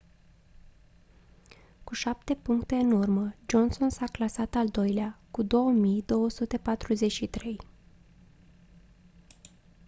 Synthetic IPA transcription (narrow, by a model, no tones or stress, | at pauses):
kuʃap̚t̪e̞puŋkt̪e̞ɨnurməd͡ʒo̞nso̞nsaklasat̪ald̪o̞jleakud̪o̞wəmijd̪o̞wəsut̪e̞pat̪ɾuze̞t͡ʃʃit̪ɾe̞j